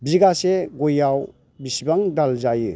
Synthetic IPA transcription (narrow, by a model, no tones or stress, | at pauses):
biɡaseɡɔjaw | bisibaŋdalzajɯ̰